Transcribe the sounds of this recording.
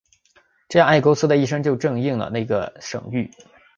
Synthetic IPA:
ʈ͡ʂɤ˥˧ja˥˧a˥˩ɪko˥ʊsɹ̩˥d̪ə˧i˥˩ʂ̬ɤ˥ŋt͡ɕjo˥˧ʊʈ͡ʂɤ˥˧ŋi˥˩ŋlə̰˩na˥˩ɪɡə̰˩ʂɤ̰˨˩ŋy˥˩

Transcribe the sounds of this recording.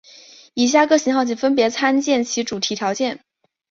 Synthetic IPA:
i˨˩ɕ̬ja˥˧kɤ˥˩ɕi˧˥ŋxɑ˥˩ʊt͡ɕi˨˩nfə˥npjɛ˧˥t͡sʰa˥nt͡ɕjɛ˥˩nt͡ɕʰi˧˥ʈ͡ʂu˨˩t̪ʰi˧˥t̪ʰjɑ˧˥ʊt͡ɕjɛ˥˩n

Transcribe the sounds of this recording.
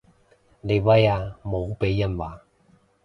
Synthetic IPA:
le˨jwa˥jaː˧mo˨˧˦wpe˨˦jːɐ˥˩nwaː˨˦

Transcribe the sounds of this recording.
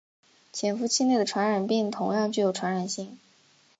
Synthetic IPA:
t͡ɕʰjɛ˨˩nfu˧˥t͡ɕʰi˥ne˥˩ɪd̪ə˩ʈ͡ʂʰwa˧˥nɻa˨˩npi˥˩ŋt̪ʰʊ˧˥ŋjɑ˥˧ŋt͡ɕy˥˩jo˧˩ʊʈ͡ʂʰwa˧˥nɻa˨˩nɕi˥˩ŋ

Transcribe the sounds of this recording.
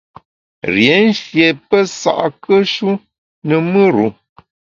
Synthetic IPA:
ɾje˨˦n̩˦ʃje˨pə˦sa̰˦˨ʔkə˦ʃu˦ | nə˨mɨ˦ɾṵ˨

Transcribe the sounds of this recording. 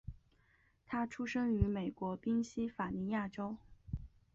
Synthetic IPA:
t̪ʰa˥ʈ͡ʂʰu˥ʂɤ˥ŋy˧˥me˨˩ɪkwɔ˧˥pi˥ŋɕi˥fa˨˩ni˧˥ja˥˩ʈ͡ʂo˥ʊ

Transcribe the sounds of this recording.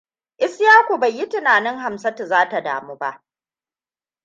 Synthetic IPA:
ʔɪ˦sjaː˦kʷo˨ba˨jːi˦tɪ˨naː˨nɪ˦ŋɦa˨msɐ˦tu˨zaː˦ta˨da̰ː˨muː˦ba˦ʔ

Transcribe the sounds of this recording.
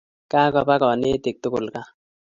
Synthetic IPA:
ka˦kɔ˧pa˦kɔ˨ni˦t̪ɪ˨k̚t̪ʊ˦kʊ˨lka˦

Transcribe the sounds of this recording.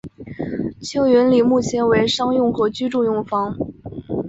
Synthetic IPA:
t͡ɕʰjo˥ʊɥɛ˧˥nli˨˩mu˥˩t͡ɕʰjɛ˧˥nwe˧˥ɪʂɑ˥ŋjʊ˥˩ŋxɤ˧˥t͡ɕy˥ʈ͡ʂu˥˧jʊ˥˩ŋfɑ˧˥ŋ

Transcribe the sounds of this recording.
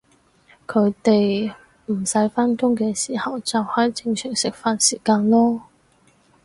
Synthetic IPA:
kʰɵ˨˧ɥt̪e˨j | m̩˨˩sɐ˨˥jfaː˥nkʊ˥ŋkɛː˧siː˨˩hɐ˨wt͡sɐ˨whɐ˨˥jt͡sɪ˧ŋsʰœː˨˩ŋsɪ˨k̚faː˨nsiː˨˩kaː˧nlɔː˥

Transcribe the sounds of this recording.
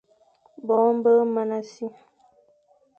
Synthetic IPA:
bɔ˨˦m̩˦bə˦mə˦na˦si˦

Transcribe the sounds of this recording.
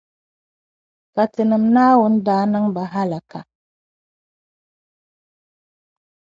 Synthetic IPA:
ka˨tɨ˨nɨ˨mnaː˦wʊ˨˦n̩˦daː˨˦nɨ˦ŋba˨ɦa˦la˨ka˨

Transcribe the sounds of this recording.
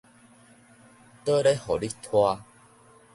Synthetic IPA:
t̪ə˦ɾe˦hɔ˨˩li˦kt̪ʰwa˧

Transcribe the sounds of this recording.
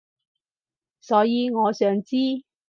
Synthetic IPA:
sɔː˨˥jiː˨˧ŋɔː˨˧sœː˨˧ŋt͡siː˥

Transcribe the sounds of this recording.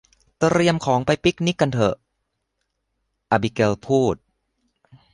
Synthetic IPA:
t̪ɾi˧əmkʰɔː˩˦ŋpa˧jpi˦˥k̚ni˦˥kːa˧nt̪ʰɤ˧˩ʔ | ʔaː˧bi˧ke˧lpʰuː˥˩t̪̚

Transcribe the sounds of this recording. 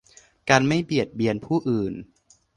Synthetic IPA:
kaː˧nma˥˩jbi˨˩ət̪̚bi˧ənpʰuː˥˩ʔɯː˨˩n

